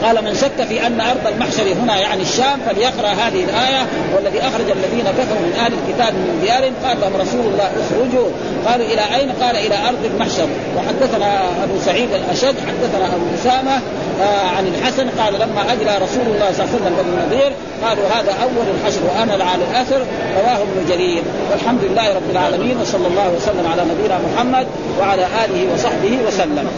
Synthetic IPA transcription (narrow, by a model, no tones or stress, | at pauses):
qɑːlamanʃat̪ːafiʔanːaʔɑɾˤd̪ˤɑlmaħʃɑɾiɦunajaʕniaʃːaːmfaljɑqɾˤɑʔɦaːðihilʔaːjawalːaðiːʔaxɾˤɑd͡ʒalːaðiːnakafɑɾˤumɪnʔahlalkɪt̪aːbmɪmɪnd̪ijaːɾɪnqɑːahumɾˤɑsuːlɑlˤːɑːhʔɪxɾʊd͡ʒuː | qɑːluʔɪlaʔajnqɑːlaʔɪlaʔɑɾˤd̪ˤalmaħʃɑɾi | wɪħad̪ːaθanaʔabusaʕiːd̪alʔaʃad̪ːħad̪ːaθanaʔabuʔʊsaːma | ʕanalħasanqɑːlalamːaʔaɡlaɾˤɑsuːlulˤːɑːhsˤɑlːsalːambaɡinɑðˤiːɾ | qɑːluɦaːd̪aʔawːalalħaʃɾwɪʔamalʕalalʔaθɑɾˤ | ɾˤɑwaːhubnud͡ʒaɾiːl | walħamd̪ʊlɪlːaːhɾˤɑbːɪlʕaːlamiːnwɑsˤɑlːɑlˤːɑːhuwasalːamʕalaːnabijnaːmʊħamːad̪̚ | waʕalaːʔaːlɪhiwɑsˤɑħbɪhiwasalːam